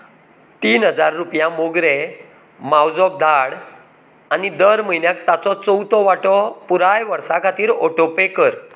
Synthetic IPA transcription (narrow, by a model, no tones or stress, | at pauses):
t̪iːnɦəd͡zaɾːupjãmoɡɾe | mawd͡zɔk̚d̪ʱaɽ | anid̪əɾməinjak̚t̪at͡sɔt͡səwt̪ɔʋaʈɔpuɾajʋəɾsakʰat̪iːɾɔʈopekəɾ